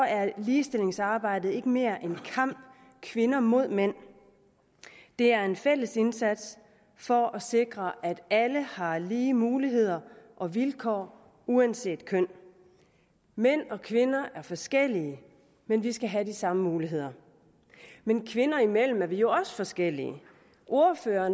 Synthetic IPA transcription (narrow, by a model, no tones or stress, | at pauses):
ɒæɐliːsd̥e̝le̝ŋsɑ̈ːb̥ɑ̈ɪ̰d̥ð̩ˠe̝ɡ̥əme̝ːɐʔenkʰɑ̈m̰b̥ | kʰʋe̝nɐmo̝ð̞̰ˠmen̰ | d̥e̝æɐe̝nfel̰əse̝nsæd̥s | fɒ̽ʔɒse̝ɡ̥ʁɐʔæd̥æləhɑ̈liːmuːliɦe̝ð̞̰ˠɐʔɒ̽ʋilkʰɒ̰ː | uænse̝̰ːd̥̚kʰœn̰ | men̰ɒ̽kʰʋe̝nɐʔæɐfɒ̽sɡ̥el̰iə | menʋisɡ̥æɦæd̥isɑ̈məmuːliɦe̝ð̰ˠɐ | menkʰʋe̝nɐimel̰m̩æɐʋijo̝ɒ̽sə̥fɒ̽sɡ̥el̰ḭə | ʔo̝ɐføːɐ